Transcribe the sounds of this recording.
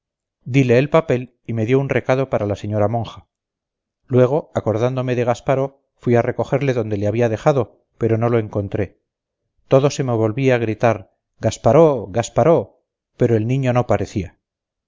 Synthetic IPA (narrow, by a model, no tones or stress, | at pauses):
d̪ile̞ːlpape̞l | ime̞ðjo̞unre̞kaðo̞paɾalase̞ɲo̞ɾamõ̞ŋxa | lwe̞ɣ̞o̞ako̞ɾðand̪o̞me̞ðe̞ɣ̞aspaɾo̞ | fwiare̞ko̞xe̞ɾle̞ðo̞nd̪e̞leaβiaðe̞xaðo̞ | pe̞ɾo̞no̞lo̞e̞ŋko̞nt̪ɾe̞ | t̪o̞ðo̞se̞me̞β̞o̞lβiaaɣ̞ɾit̪aɾ | ɡaspaɾoɣaspaɾo̞ | pe̞ɾo̞e̞lnĩɲo̞no̞paɾe̞θia